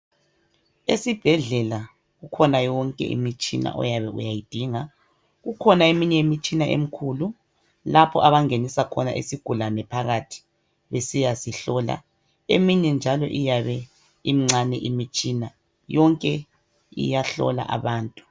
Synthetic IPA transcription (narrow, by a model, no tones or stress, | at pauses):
esib̥ʱɛɮɛla | ɣukʰɔnajɔŋkʼɛ̰ʔḭmit͡ʃʼina̰ʔɔ̰jaβɛṵjajid̥ʱiŋa | ɣukʰɔnaemiɲɛimit͡ʃʼinaʔḛm̩kʰuːlu | lapʰɔʔaβaŋenisakʰɔna̰ʔḛsiɡ̥ʱulanɛpʰaɣatʰi̥ | βesijasiɬɔla̰ | ḛmiɲɛnd͡ʒʱalɔ̰ʔijaβɛ | imiŋ͡ǀanɛʔimit͡ʃʼina | jɔŋkʼɛ | ḭjaɬɔ̰la̰ʔa̰βaːntʼu̥